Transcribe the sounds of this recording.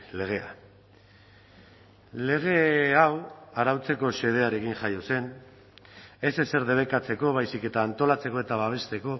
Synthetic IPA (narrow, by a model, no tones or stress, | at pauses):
le̞ɣ̞e̞a̰ | le̞ɣ̞e̞awaɾawt͡se̞ko̞se̞ð̞e̞aɾe̞kiŋʝajose̞n | e̞sese̞ɾðe̞β̞e̞kat͡se̞ko̞β̞ajsike̞t̪aːnt̪o̞lat͡se̞ko̞e̞t̪aβaβe̞st̪e̞ko̞